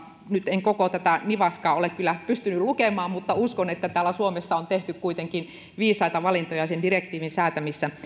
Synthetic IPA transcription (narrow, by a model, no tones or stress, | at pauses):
nyt̪eŋkokot̪æt̪æniʋɑskɑːolekkylːˑæpyst̪ynyllukemɑːmmut̪ːɑuskonet̪ːæt̪æːlːæsuomesːɑont̪eht̪ykkuit̪eŋkin | ʋiːsɑit̪ɑʋɑlint̪ojɑsendirekt̪iːʋinsæːt̪æmisːæ